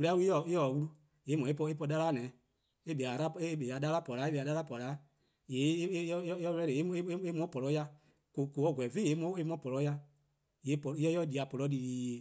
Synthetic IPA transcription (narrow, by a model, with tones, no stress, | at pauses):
we˧˦a˦wu˦ɔ˨i˦jɔ˦˨wu˦lu˦ | je˨˦mɔ̃˨e˦pɔ˧e˦p̬ɔ˧da˦laː˦nɛ̃˨˦ | e˦be˨a˨ɾa˦e˦be˨a˨da˦la˦pɔ˨la˨˦e˦be˨a˨da˦la˦pɔ˨laː˨˦ | je˨˦ɔ˦˧ɛ˧˦e˨e˨˦e˦e˦e˦mɔ̃˦pɔ˨lɔ˧˦ja˧ | ko˨ko˨ɔ˨˦˨ɡʷɛ˨ve˦˨e˨˦mɔ̃˨˦e˧˦mɔ̃˧˦pɔ˨lɔ˧˦ja˧ | je˨˦pɔ˨i˦ɔ˦jɔ˧˦˨di˨a˨pɔ˨lɔ˨˧˦di˨i˨